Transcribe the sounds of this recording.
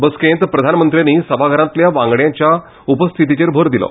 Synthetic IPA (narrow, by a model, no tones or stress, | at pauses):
bəskẽnt̪pɾəd̪ʱanmənt̪ɾijanːiːsəbʱaɡʱəɾãt̪ljaʋãŋɡɽjãɲt͡ɕja | upəst̪ʰit̪̬it͡ɕeɾbʱəɾd̪ilɔ̰